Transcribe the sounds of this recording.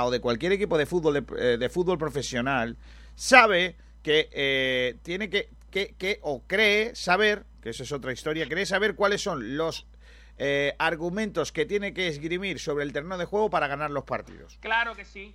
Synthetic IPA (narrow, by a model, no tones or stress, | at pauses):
o̞ðe̞kwalkje̞ɾe̞kipo̞ð̞e̞fud̪̚βo̞leðe̞fud̪̚βo̞lpɾo̞fe̞sjo̞nal | saβ̞e̞ | ke | t̪je̞neke | kekeʔokɾeːsaβ̞e̞ɾ | keesoeso̞t̪ɾaist̪o̞ɾjakɾeːs̬aβ̞e̞ɾkwale̞sːo̞nlo̞s | aɾɣumẽ̞nt̪o̞ske̞t̪je̞neke̞ːzɣɾimiɾso̞βɾelt̪eɾeno̞ðe̞xwe̞ɣo̞paɾaɣ̞anaɾlo̞spaɾt̪ḭðo̞̰sklaɾokesi